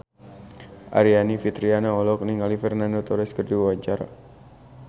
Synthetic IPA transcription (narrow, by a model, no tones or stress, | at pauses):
ʔa̰ɾianifit̪ɾianaɔlɔk̚niŋalifɛrnandot̪ɔɾɛskərdiwuwat͡ʃaɾa